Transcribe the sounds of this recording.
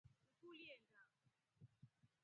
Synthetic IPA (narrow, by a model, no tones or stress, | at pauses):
ŋ̩kuliɛnda